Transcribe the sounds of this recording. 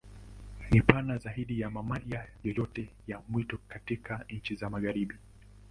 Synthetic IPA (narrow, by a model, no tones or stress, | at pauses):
nipanazaiɗijamamaʄajɔjɔtɛ | jamwitɔkatikʰaɲ̩t͡ʃizamaɣaɾiɓi